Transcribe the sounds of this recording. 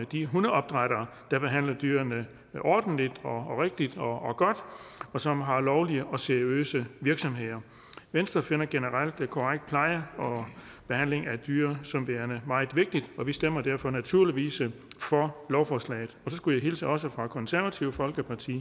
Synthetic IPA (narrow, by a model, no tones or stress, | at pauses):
d̥iɦunˠɒ̽b̥d̥ʁɑɾ̥ɐː | d̥ɑ̈b̥e̝ɦæn̰lɐd̥yːɐnə | ʔɒ̰ːd̥n̩lid̥ɒʁeɡ̥̚d̥id̥ɒ̽ɡ̥ɒ̽d̥ɒ̽sɒ̽mɦɑ̈lɒʊliəʔɒ̽seɐiø̰ːsəʋiɐɡ̥sɒ̽mɦe̝ð̰ˠɐ | ʋensd̥ʁɐfe̝nɐɡ̥enəʁɑl̰d̥kʰɒʁaɡ̥̚d̥̚pʰlɑ̈ɪəɒ̽ | b̥e̝hæn̰le̝ŋæd̥yːɐsɒ̽mʋeːɐnəmɑ̈ɪð̩ˠʋe̝ɡ̥̚d̥id̥ɒ̽ʋisd̥em̰ɐd̥æɐfɒ̽næt͡sʰuɐ̰liʋḭːsəfɒ̽lɒʊfɒːslɛ̰ɪð̩ˠɒ̽sɒ̽sɡ̥ujɑ̈ɪɦe̝ːlt͡sʰiɒ̽səfʁɑ̈kʰɒ̽nsæɐʋæt͡sʰiʊəfɒ̽lɡ̥əpʰɑ̈t͡sʰḭː